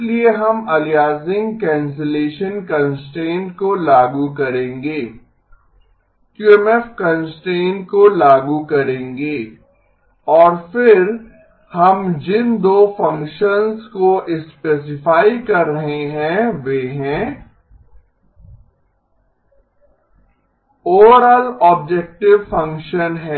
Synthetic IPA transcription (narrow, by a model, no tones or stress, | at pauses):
lieɦɐmɐlijaːzɪ̃ŋɡkɛ̃ːns̬eleːʃənkɐ̃nsʈẽːɳʈkolaːɡukɐɾẽːŋɡeː | kjuːɛmɛːfkɐ̃nsʈẽːɳʈ̚kolaːɡukɐɾẽːŋɡeː | ɔːɾfɪɾ | hɐmd͡ʒɪnd̪oːfɐ̃ŋkʃənzkoʔɪspeːs̬ɪfaːikɐɾːɐɦeɦɛ̃ʋeːɦɛ̃ː | oːɾəlɔːb̚d͡ʒek̚ʈɪʋfɐ̃ŋkʃənɦɛː